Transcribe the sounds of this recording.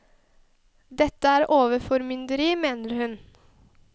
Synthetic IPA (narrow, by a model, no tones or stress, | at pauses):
d̪ɛt̪ːəæːɾʔoːʋəɾfɔɾmʏnd̪əɾiːmeːnəɾhʉn